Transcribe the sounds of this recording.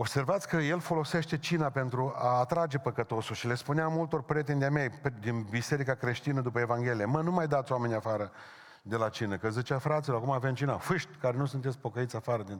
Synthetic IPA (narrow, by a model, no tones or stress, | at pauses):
o̞bse̞rvat̪sʲkəje̞lfo̞lo̞se̞ʃt̪e̞t͡ʃinape̞nt̪ɾuaːt̪ɾad͡ʒe̞pəkət̪o̞sulʃile̞spuneamult̪o̞rpɾʲjet̪end̪eamejpd̪inbise̞ɾikakɾe̞ʃt̪inəd̪upəevaŋɡʲe̞lijemənumajd̪at̪sʲowame̞nʲafaɾə | d̪e̞lat͡ʃinəkəzit͡ʃafɾat̪siloɾakumaːvemt͡ʃinafɨʃt̪ʲkaɾe̞nusunt̪et̪sʲpo̞kəit̪sʲafaɾəd̪in